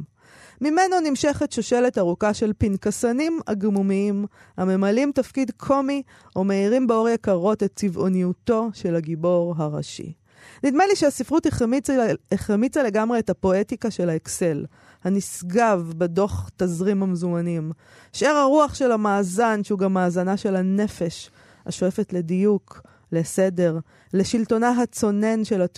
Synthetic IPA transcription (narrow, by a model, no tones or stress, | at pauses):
mime̞no̞nimʃe̞χetʃoʃe̞lethaʁukaʃe̞lpinkasanima̰ɡmumiim | hame̞malimtafkidkʰo̞mi | omeiʁimbeo̞ʁjakaʁo̞te̞t̚t͡sivonijuto̞ʃe̞laɡibo̞ʁɦaʁa̰ʃḭ | nid̪meliʃeasifʁut | eχʁemit͡sale̞ɡamʁe̞ːthapo̞etikaʃe̞laekse̞l | hanisɡavbedo̞χt̪azʁimhamezumanim | ʃʔeʁaʁuaχʃe̞lamaːzanʃeuɡamːaːzanaʃe̞lane̞fe̞ʃ | ha̰ʃo̞efe̞tle̞dijuk | le̞sede̞ʁ | leʃilto̞naɦat͡so̞ne̞nʃe̞la